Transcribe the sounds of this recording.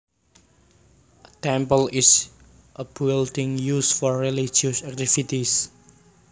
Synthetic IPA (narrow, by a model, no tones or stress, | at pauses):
ət̪ɛ̃mpəlɪs | ʔəbildɪ̃ŋjusfɔɹːelid͡ʒiusak̚t̪ifit̪is